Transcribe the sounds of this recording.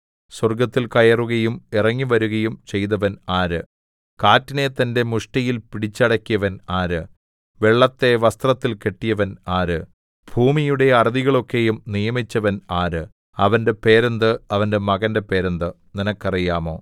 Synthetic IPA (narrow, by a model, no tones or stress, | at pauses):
swɐrɡɐt̪ːilkɐjɐruɣɐjumirɐŋːiʋɐɾuɣɐjumt͡ɕe̞jt̪ɐʋɐnaːɾɨ | kaːtːine̞t̪ɐnde̞muʂʈɐjilpiɽit͡ɕːɐɽɐkʲːijɐʋɐnaːɾɨ | ʋeɭːɐt̪ːe̞ʋɐst̪rɐt̪ːilke̞ʈːijɐʋɐnaːɾɨ | b̥ʱuːmijuɽe̞ɐrɐðiɣɐɭo̞kːe̞jumnijɐmit͡ɕːɐʋɐnaːɾɨ | ɐʋɐnde̞pe̞ːɾɐnd̪ɨɐʋɐnde̞mɐɣɐnde̞pe̞ːɾɐnd̪ɨ | ninɐkːɐrijaːmo̞ː